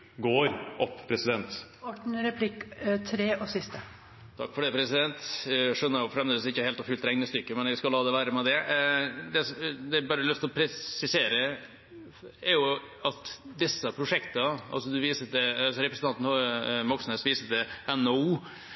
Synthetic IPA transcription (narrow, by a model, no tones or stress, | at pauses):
ɡoːɾʔɔpːpʰɾɛsɪd̪ɛnt̪ɔʈɳ̩ɾɛpʰlɪkt̪ʰɾeːʔɔsɪst̪ə | t̪ʰɑ̰kːfɔɖɛpʰɾɛsɪd̪ɛnt̪ʂœnːəɾjʊfɾɛmd̪eːd̪əsɪçːəheːlt̪ɔfʉlt̪ɾɛŋnəst̪ʏkːəmɛnɛɡskɑlːɑːd̪ɛʋæːɾəmɛd̪ɛ | d̪ɛsd̪ɛæɾbɑːɾəlʉft̪lɔpʰɾɛsɪseːɾə | ɛɾjʊ | ɑt̪d̪ɪsːəpʰɾʊʂɛkt̪əɑ̰lsɔd̪ʉʋiːsəd̪ɛɑsɔɾɛpɾəsn̩t̪ɑnt̪n̩ɔmɔksn̩eːsʋiːsəd̪ɛɛnːɔuː